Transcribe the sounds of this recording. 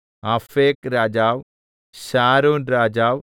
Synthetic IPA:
afeːkɾaːd͡ʒaːw | ʃaːɾuːnɾaːd͡ʒaːw

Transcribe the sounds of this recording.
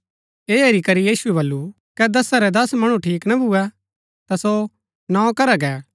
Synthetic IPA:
eːeɾikɐɾijiːsuɛβɐlːu | kɛd̪ɐsaɾɛd̪ɐsmɐɽ̃ũʈʰiːknɐbʱuɛ | t̪aso | nãːkɐɾaɡɛː

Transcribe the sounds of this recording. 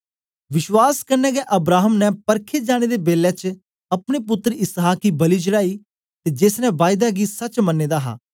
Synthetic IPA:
ʋɪʃwaːskəɾnɛːɡɛːʔəbɾaːɦəmnɛ̃pəɾkʰeːd͡ʒaːɽ̃eːd̪eːbeːlɛ̃ːt͡ʃ | əpɽ̃eːp̬ʊt̪ːɾəɪsaːkiːbəliːd͡ʒəɾaːiː | t̪eːd͡ʒeːsnɛ̃ʋaːjd̪aːɡiːsət͡ʃmənːeːd̪aːɦa̰ː

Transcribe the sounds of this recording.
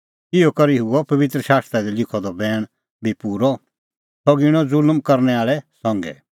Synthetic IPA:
ɪɔkɐɾiɦʊɔpɐʋɪt̪ɾəʃaːst̪ɾad̪ilɪkʰɔd̪ɔbɛːɽ̃ | bʱipuːɾɔ | sɔɡɪɽ̃ɔ̃d͡zʊlmkɐɾnɛaːɭɛsɔ̃ŋɡɛ̰

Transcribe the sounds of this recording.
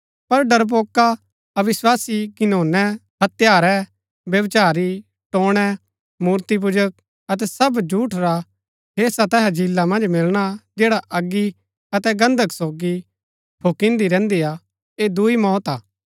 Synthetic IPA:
pɐɾɖɐɾp̬oːka | ɐʋɪswaːsiɡɪnoːnɛɦɐt̪jaːɾɛ | ʋjɐʋt͡ʃaːɾi | ʈoːɽ̃ɛ | muːɾt̪ip̬ʊd͡ʒək̚ | ɐt̪ɛsɐbd͡ʒuːʈʰɾa | ɦeːsat̪ɛɦɛ̃d͡ʒɪlːamɐ̃nd͡ʒmɪlɽ̃ad͡ʒeːɽaʔɐɡːi | ɐt̪ɛɡɐ̃nd̪ʱəksoːɡi | pʰoːkɪ̃nd̪iɾɛ̃ːnd̪ijaː | ed̪uimɔːt̪aː

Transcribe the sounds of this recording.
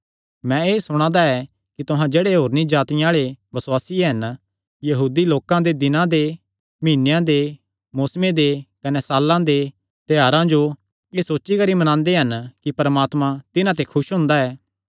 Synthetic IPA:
mɛ̃eːsʊɽ̃ãːd̪aɛ | kit̪ʊɦãd͡ʒeːɽeɦoːɾnĩd͡ʒaːt̪ɪjãaːɭebɐswaːsiɦɐn | jɐɦuːd̪iloːkãd̪ed̪ɪnãd̪e | miːnːejãd̪e | moːsmed̪ekɐnɛsaːlːãd̪e | t̪ɛjaːɾãd͡ʒo | eːsoːtːʃikɐɾimɐnãːnd̪eɦɐnkipɐɾmaːt̪mãt̪ɪnãt̪̬ekʰʊʃɦʊ̃nd̪aɛː

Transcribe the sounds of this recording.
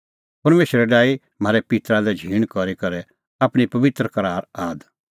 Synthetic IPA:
pɐɾmeːʃəɾɛɖaːi | m̤aːɾɛpɪt̪ɾalɛd͡ʒʱiːɽ̃kɔɾikɐɾɛ | aːpɽ̃ipɐʋɪt̪ɾəkɐɾaːɾaːd̪

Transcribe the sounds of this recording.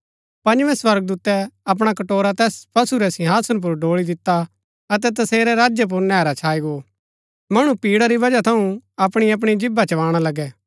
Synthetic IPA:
pɐ̃nʋɛ̃swɐɾɡ̚d̪uːt̪ɛɐp̬ɽ̃akɐʈoːɾat̪ɛːspɐsuɾɛsɪ̃ɦaːsənp̬ʊɾɖoːɭid̪ɪt̪ːa | ɐt̪̬ɛt̪̬ɐseːɾɛɾaːd͡ʒjap̬ʊɾnɛːɾat͡ʃʰaːiɡo | mɐɽ̃ũpiːɽaɾibɐd͡ʒat̪ʰɐũɐpɽ̃iɐp̬ɽ̃id͡ʒɪbːat͡ʃɐʋaːɽ̃alɐɡɛː

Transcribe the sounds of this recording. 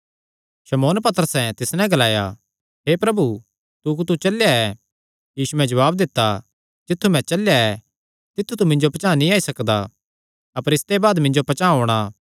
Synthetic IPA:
ʃɐmoːnpɐt̪əɾəsɛt̪ɪsnɛ̃ɡɐlaːja̰ | ɦepɾɐbu | t̪uk̬ut̪ut͡ʃɐljaɛ | jiːsuɛ̃d͡ʒɐʋaːb̚d̪ɪt̪ːa | d͡ʒɪt̪ʰːumɛ̃t͡ʃɐljaɛ | t̪ɪt̪ʰːut̪̬umɪ̃ɲd͡ʒopɐt͡ʃaːnĩaːisɐkd̪a | ɐpəɾɪst̪ebaːd̪mɪ̃ɲd͡ʒopɐt͡ʃãːɦoːɽ̃a

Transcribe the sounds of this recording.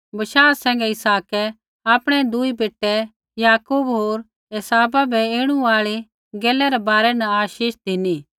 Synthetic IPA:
bɐʃaːɾsɛ̃ːŋɡɛɪsaːkɛ | aːpɽ̃ɛd̪ʊibeːʈːɛ | jaːkubɦoːɾ | esaːbabʱɛeːɽ̃uaːɭe | ɡɛːlɛɾɛbaːɾɛnɐaːʃiːʃd̪ɪniː

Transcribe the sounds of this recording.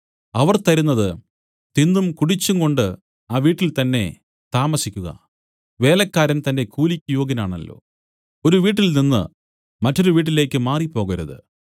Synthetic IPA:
ɐʋɐrt̪ɐɾunːɐðɨ | t̪inːumkuɽit͡ɕːuŋɡo̞ɳɖɨ | aːʋiːʈːilt̪ɐnːe̞̰ | t̪aːmɐsikʲːuɣɐ̰ | ʋe̞ːlɐkːaːɾɐnt̪ɐnde̞kuːlikʲːujoːɡɐnaːɳɐ̰lːo̞̰ː | o̞ɾuʋiːʈ̬ːilninːɨ̰ | mɐtːo̞ɾuʋiːʈ̬ːile̞ːkʲːɨmaːripːo̞ːɣɐɾɐðɨ̰

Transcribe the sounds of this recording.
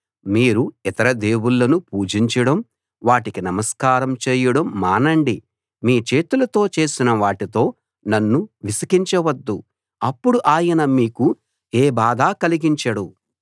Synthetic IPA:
miːɾuit̪ɐɾɐd̪eːwulːɐnupuːd͡ʒiɲt͡ʃɐɽɐm | ʋaːʈikinɐmɐskaːɾɐmt͡ʃeːjɐɽɐmːaːnɐɳɖi | miːt͡ʃe̞ːt̪ulɐt̪o̞ːt͡ʃe̞ːsinɐʋaːʈit̪o̞ː | nɐnːuʋisɐkiɲt͡ʃɐʋɐd̪ːu | ɐpːuɽuʔaːjɐnɐmiːku | eːbaːd̪ʱaːkɐliɡiɲt͡ʃɐɽu

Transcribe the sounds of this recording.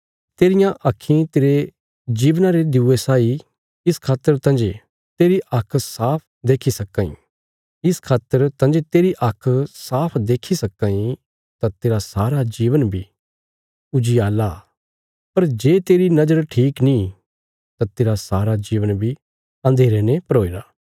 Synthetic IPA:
t̪eːɾɪjãʔɐkʰːĩt̪eːɾe | d͡ʒiːʋnãɾed̪ɪuːesaːi | ɪskʰaːt̪ːəɾt̪ɐ̃nd͡ʒe | t̪eːɾiʔɐkʰsaːpʰ | d̪eːkʰisɐkːãːḭ̃ | ɪskʰaːt̪ːəɾt̪ɐ̃nd͡ʒet̪eːɾiʔɐkʰsaːpʰd̪eːkʰisɐkːãːi | t̪ãt̪eːɾasaːɾad͡ʒiːʋənbʱi | ʊd͡ʒiaːla | pɐɾd͡ʒeːt̪eːɾinɐd͡ʒəɾʈʰiːknĩ | t̪ãt̪eːɾasaːɾad͡ʒiːʋənbʱi | ɐ̃nd̪ʱeːɾenepəɾoːiːɾaː

